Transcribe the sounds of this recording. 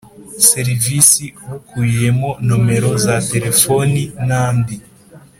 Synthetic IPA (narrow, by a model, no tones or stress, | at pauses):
se̞ɾivisiβukʰuje̞mo̞nome̞ɾo̞zate̞ɾe̞foninaːmbi